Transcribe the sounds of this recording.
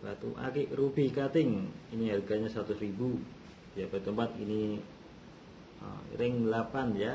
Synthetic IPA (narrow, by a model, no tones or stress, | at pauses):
bat̪ṵʔa̰kɪʔrubikat̪ɪŋiniɦarɡaɲasəɾat̪ʊsɾibu | japadit̪əmpat̪ḭni | ə̰ḭɾɪŋlapanja